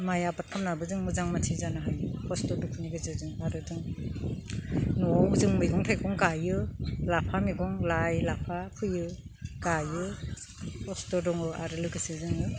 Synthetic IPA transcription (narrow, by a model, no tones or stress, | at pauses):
majapat̚kʰamnabɯzɯŋmɯzaŋmatʰizanaɦajɯpʰɔstɔdukʰɯniɡɯzɯzɯŋaɾɯzɯŋ | nuawɡzɯŋmɯjɡɔŋtʰajkʰɔŋkajɯlapʰamiɡɔŋlajlapʰapʰɯjɯɡajɯ | pʰɔstɔdɔŋɯa̰ɾɯlɯɡɯsizɯŋɯ